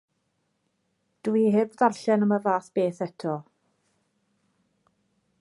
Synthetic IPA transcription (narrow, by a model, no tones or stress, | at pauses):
d̥wihɪvðarɬɛnəməvaːθb̥eːθɛtʰɔ